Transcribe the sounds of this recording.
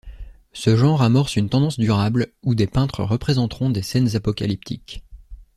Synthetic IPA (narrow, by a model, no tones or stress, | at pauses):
səʒɑ̃ʁamɔʁsynt̪ɑ̃d̪ɑ̃sd̪yʁablud̪epɛ̃t̪χə̰ʁəpχezɑ̃t̪χɔ̃d̪esɛnzapɔka̰lip̚t̪ʰḭkʲ